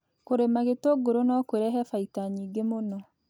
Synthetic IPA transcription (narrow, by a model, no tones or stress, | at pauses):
koɾemaɣetoɡoɾonɔkweɾɛɦɛfaitaɲiːɡemonɔ